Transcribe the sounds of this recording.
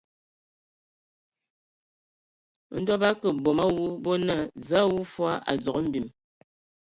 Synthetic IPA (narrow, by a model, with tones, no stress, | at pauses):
n̩˦dɔ˦ba˦kə˨bɔ˨ma˦wu˦bɔ˦nə˦˨za˦wu˦fwa˦ʔa̰˨d͡zɔ˨ə˦m̩˦˨bi˨m